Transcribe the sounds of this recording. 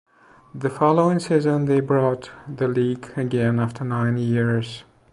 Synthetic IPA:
ðɨfɑlˠoʊɪ̃ŋsizɨ̃nðeɪbɹɔt̪ðɨliɡɨɡɛ̃næftʰə˞nãɪ̃njɪɹz̥

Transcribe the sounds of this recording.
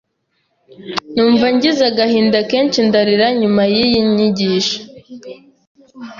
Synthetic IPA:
nuːɱvaɲɟizaɡahiːndakeːnt͡ʃindaɾiɾaɲumajijiɲiɟiːʃḁ

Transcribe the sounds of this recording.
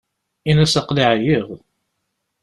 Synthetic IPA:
inæsəqliʕjiʁ

